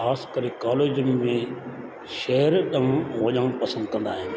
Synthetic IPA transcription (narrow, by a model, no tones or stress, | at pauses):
aːskɐɾekaːleːd͡ʑəmːẽ | ʃeɦəɾɗɐʋũʋɐʄəɽ̃pɐsə̃nd̪kɐ̃nd̪aːɦɪnɪ̆